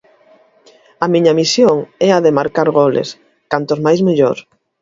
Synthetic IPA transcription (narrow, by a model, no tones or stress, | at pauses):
ɐmiɲɐmisjoŋɛaðemaɾkaɾɣolḛs | kant̪ozmajzmiʎoɾ